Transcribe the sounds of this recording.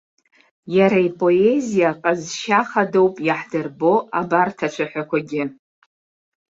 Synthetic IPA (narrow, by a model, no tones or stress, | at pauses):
jaɾaipʼoe̞zijaqʼazʃaχado̞wpʼjaħdɨrbo̞ʔabartʰat͡ʃʷʰaħʷᶣakʷaɡʲɪ